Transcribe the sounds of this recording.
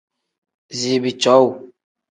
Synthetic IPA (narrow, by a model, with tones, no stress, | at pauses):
zi˨bi˨t͡ʃɔ˨˦w